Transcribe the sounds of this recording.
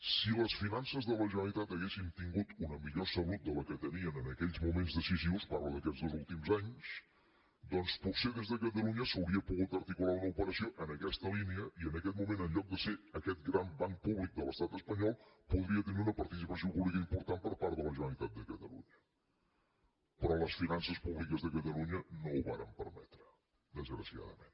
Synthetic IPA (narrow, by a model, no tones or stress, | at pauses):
siləsfinansəzðələʒənəlit̪at̪əɣesint̪iŋɡut̪unəmiʎosəβut̪̚d̪ələkət̪əniənənəkɛʎzmumenzðəsiziwsparləðəkɛzðozulˠt̪imzaɲs | d̪ɔnspuseðezðəkət̪əluɲəsəwɾiəpuɣut̪əɾt̪ikulaunəupəɾəsioʔənəkɛst̪əliniəiənəkɛt̪̚mumẽnəɲʎɔk̚d̪əseəkɛt̪̚ɡɾambaŋpuβlik̚d̪ələst̪at̪əspəɲɔlˠpuðɾiət̪əniunəpəɾt̪isipəsiowpuβlikəimpuɾt̪ampəɾpaɾtðələʒənəlit̪at̪̚d̪əkət̪əlṵɲə | pɾɔləsfinansəspuβlikəzðəkət̪əluɲənouβa̰ɾəmpəɾmɛ̰t̪ɾə | d̪əzɣɾəsia̰ðə̰mḛ̃n